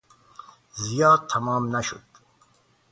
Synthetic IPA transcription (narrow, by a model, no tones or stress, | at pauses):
zijɑːd̪̚t̪ʰːamɑːmnaʃṵd̪̥